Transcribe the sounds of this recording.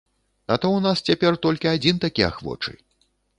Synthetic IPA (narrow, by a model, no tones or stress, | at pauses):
ɐt̪ɔwnast͡sʲapʲɛrt̪ɔlʲkʲiad͡zʲint̪akʲia̰xvɔ̰t͡ʂɨ̰j